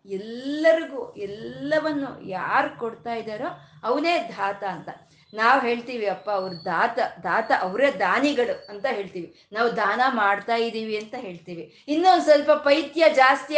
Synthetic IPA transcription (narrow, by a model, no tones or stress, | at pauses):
ɛlːɐɾiɡuːɛlːɐʋɐnːṵjaːɾkoɽt̪aːjid̪aːɾoːɐʋɐne̞ːd̪ʱaːt̪ɐːnt̪ɐ | naːʋɦe̞ːɭt̪iːʋiɐpːaɐʋɐɾud̪ʱaːt̪ɐd̪ʱaːt̪ɐʔɐʋɾed̪aːniɡɐɭuɐnt̪ɐɦe̞ːɭt̪iːʋi | naːʋud̪ʱaːnɐmaːɖt̪aːjid̪iːʋiɐnt̪ɐɦe̞ːɭt̪iːʋi | inːond̪sɐlpɐpɐjt̪jɐd͡ʒaːst̪i